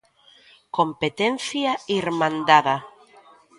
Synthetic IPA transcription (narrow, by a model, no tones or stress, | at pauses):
kompet̪en̟θjaiɾmãnd̪aða